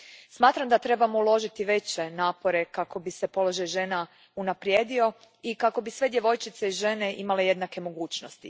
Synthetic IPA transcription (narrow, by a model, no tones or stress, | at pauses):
smaːt̪ɾamd̪at̪ɾe̞bamoulˠo̞ʒit̪iʋe̞t͡ɕe̞naːpo̞ɾe̞kako̞bisepo̞lo̞ʒajʒena | unapɾje̞ːd̪io̞ | ikako̞bisʋe̞d̪je̞ʋo̞jt͡ʃit̪seiʒe̞ne̞ʔimale̞je̞d̪nake̞mo̞ɡuːt͡ɕno̞st̪i